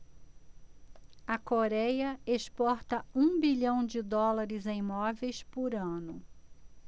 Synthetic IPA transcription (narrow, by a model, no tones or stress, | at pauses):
ɐkoɾɛjɐespɔɾt̪ɐũbiʎɐ̃w̃d͡ʒɪd̪ɔlɐɾɪzẽĩmɔvejspʊɾɐ̃nʊ